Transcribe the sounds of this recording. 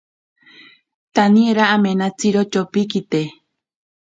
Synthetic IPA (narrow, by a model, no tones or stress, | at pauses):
t̪anĩeɾaʔamenãt͡siɾot͡ʃopikit̪e